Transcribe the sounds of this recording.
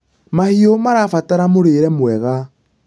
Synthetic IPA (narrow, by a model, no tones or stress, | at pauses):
mahiomaɾafataɾamoɾeːɾɛmwɛɣa